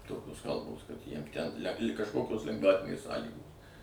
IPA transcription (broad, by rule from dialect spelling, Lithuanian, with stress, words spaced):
ˈtoːkʲoːs ˈkɐlˠboːs kɐt jiɛm tʲɛn lʲɛ kɐʃˈkoːkʲoːs lʲɛŋɡˈʋɑːtʲɪnʲeːs ˈsɑːlʲiːɡoːs